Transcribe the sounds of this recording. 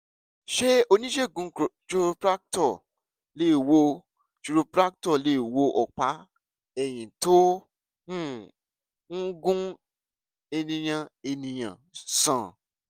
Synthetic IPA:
ʃe˦o˧nĩ˦ʃe˦˨ɡũ˧˦˨t͡ʃu˧ɾo˧pɾa˦k̚tɔ˦˨ | le˦˨wo˧ | t͡ʃu˧ɾu˧pɾa˦k̚tɔ˦˨le˦˨wo˧ʔɔ˨k͡pa˨˦ | ɛ˦˨j̃ĩ˨to˦ | ũ˦˨ | ŋ̩˦ɡũ˦ | e˧nĩ˧j̃ã˧e˧nĩ˧j̃ã̰˨sã˨

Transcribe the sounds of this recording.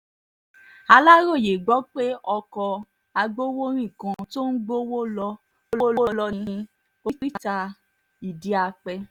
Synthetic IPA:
a˧la˦ɾo˦˨je˨ɡ͡bɔ˨˦k͡pe˦ɔ˧kɔ˧ | a˧ɡ͡bo˦wo˦ɾ̃ĩ˦˨kã˧to˦n̩˦ɡ͡bo˦wo˦lɔ˧ | o˦lɔ˦llɔ˧nĩ˧˦˧ | o˦k͡pi˦ta˧ | i˨di˨˦a˧˨k͡pɛ˧

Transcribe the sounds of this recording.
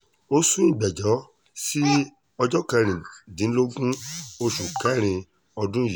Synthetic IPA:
o˦sũ˦ĩ˦˨ɡ͡bɛ˨d͡ʒɔ˨˦ | si˦ | ɔ˧d͡ʒɔ˦kɛ̃˧ɾ̃ĩ˨dĩ˨˦n̩˦lo˦ɡũ˦o˧ʃu˨kɛ˨˦˨ɾ̃ĩ˧ | ɔ˧dũ˦ji˨

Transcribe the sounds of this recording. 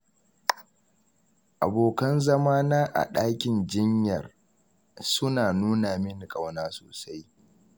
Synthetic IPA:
ʔa̰˨boː˨kɐ˦nzɐ˦maː˦naː˦ʔa̰˨ɗaː˦kʲɪ˨nd͡ʒɪ˦ɲjɐ̰˨r | sʊ˦naː˨nuː˦naː˨mɪ˦n˨kʼa˦˨wnaː˦soː˨sa˦j

